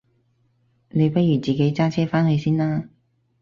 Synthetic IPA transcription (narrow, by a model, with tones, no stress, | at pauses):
ne˨˧jpɐ˥t̚jyː˨˩t͡siː˨ke˨˥jt͡saː˥t͡sʰɛː˥faː˥nhɵ˨˧ɥsiː˥naː˥